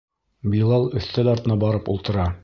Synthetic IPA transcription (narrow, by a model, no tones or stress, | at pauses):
bilˠɑlˠɵ̆θt̪æd̪ɑɾt̪ɤ̆nɑbɑɾɤpṵlˠt̪ɤ̆ɾɑ